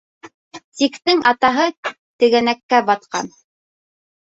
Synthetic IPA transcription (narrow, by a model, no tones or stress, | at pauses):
t̪ikt̪ɘŋʔɑt̪ɑɦɤ | t̪ɘ̆ɡænækːæbɑt̪̚qɑ̰n